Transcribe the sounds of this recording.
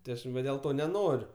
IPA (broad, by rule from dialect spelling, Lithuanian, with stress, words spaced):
tʲɪ ˈɐʃ ʋɐ dʲeːlˠ ˈtoː nʲɛˈnoːrʲʊ